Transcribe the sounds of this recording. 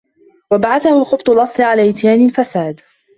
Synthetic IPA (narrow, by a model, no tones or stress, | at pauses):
wabaʕaθahʊxʊbt̪ˤʊlʔɑsˤːɨʕalaːʔɪt̪jaːnɪlfasaːd̪